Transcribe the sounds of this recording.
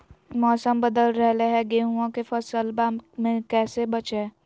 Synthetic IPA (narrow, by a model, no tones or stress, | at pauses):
mɔːsəmbəd̪əlɾɛɦleɦɛɡeːɦuãkefɐsəlbaːmmẽkɛːsebɐt͡ʃeː